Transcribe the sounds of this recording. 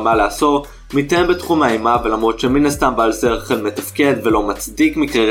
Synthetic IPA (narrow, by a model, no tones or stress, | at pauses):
malaːso̞ | mit̪aembetχumaimavelamʁo̞t̪ʃe̞minast̪ambalseʁχelme̞tafke̞d̪ve̞lo̞mat͡sdikmikʁe